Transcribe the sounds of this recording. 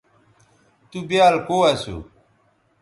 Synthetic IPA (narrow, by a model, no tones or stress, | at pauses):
t̪ubjaːlkoːɐsṵ